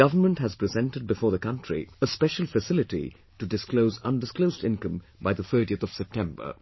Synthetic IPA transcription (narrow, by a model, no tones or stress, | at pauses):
ɡʌvəmə̃ntɦæz̥pɹɨzɛ̃ntɨd̚bɨfɔːɹðəkʌ̃ntʰɹ̥ḭəspɛʃəl̩ˠfɨsɪlɪʈḭ | ʈudɨskloʊzʌ̰̃ndɪskloʊzdɪ̃nkə̃m | baɪðəθɜ˞ɾiɨθɔv̥sɛp̚tʰɛ̃mbə̰˞